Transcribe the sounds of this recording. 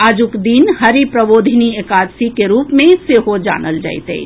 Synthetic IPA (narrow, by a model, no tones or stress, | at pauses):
aːd͡ʒukd̪inhɐɾipɾəʋoːd̪ʱiniekaːd̪sikeɾuːpmẽseɦod͡ʒa̰ːnəld͡ʒa̰ːɪt̪ḛ